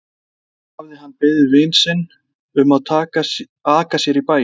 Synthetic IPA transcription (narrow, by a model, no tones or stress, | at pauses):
avðɪɦanːpɪðɪvɪnsɪnː | ʏmaðt̪ʰaːka | aːkasjɛɾipaːj